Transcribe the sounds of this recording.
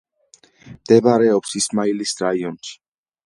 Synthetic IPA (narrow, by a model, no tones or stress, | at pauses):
md̪̥ɛbaɾɛɔpsismailisɾaiɔnt͡ʃʰi̥